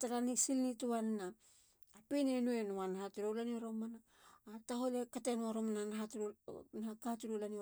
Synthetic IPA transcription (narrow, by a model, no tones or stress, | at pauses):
taɾanisilnituanːaː | pinenuenuanahatiɾowlanioɾomanaː | taholekatenuaɾomananaɦatnaakatuɾulani